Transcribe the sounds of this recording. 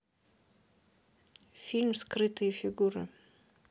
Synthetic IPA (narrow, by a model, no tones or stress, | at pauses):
filmskrɨt̪ʰɨifiɡuɾɐ